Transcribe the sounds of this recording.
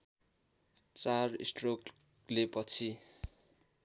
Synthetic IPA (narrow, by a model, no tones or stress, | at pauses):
t͡sarḭsʈrok | lepʌt͡sʰi